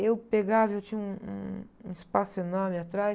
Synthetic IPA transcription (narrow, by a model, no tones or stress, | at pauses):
ewpeɡavɐewt͡ʃĩɲũṵ̃ũispasʊenɔmɪat̪ɾa